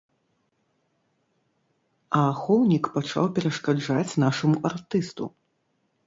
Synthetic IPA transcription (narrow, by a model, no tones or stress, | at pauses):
ɐːxɔwnʲikpat͡ʂa̰wpʲɛɾɐʂkad͡ʐat͡sʲnaʂɐmuʔart̪ɨst̪ṵ